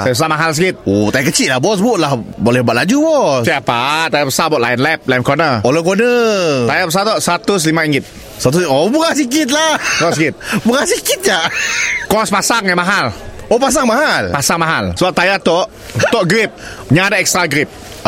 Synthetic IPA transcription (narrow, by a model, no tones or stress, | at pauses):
ajasamaɦalsəkit̪̚ot̪ajakət͡ʃiʔlabɔs̬buʔlahbolɛhbaʔlad͡ʒubɔsaapat̪ajapəsabaʔlajənlɛp̚lajənkɔnəoləkonət̪ajapəs̬at̪ɔʔsəat̪ʊs̬limãĩŋɡɪt̪̚ | səat̪̬uɔbəɣahs̬ikit̪̬̚laəasikit̪̚bəɾahsikit̪̚d͡ʒakɔspasaŋːamaɦalopas̬aŋmaɦalpasaŋmaɦalsəbap̚t̪ajat̪ɔʔ | t̪ɔʔɡɾip̚ | ɲãːdaɛkst̪ɾaɡɾip̚